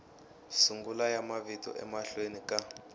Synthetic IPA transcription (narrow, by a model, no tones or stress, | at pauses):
suŋɡulajamavitɔ̰ʔɛ̰maɬwenika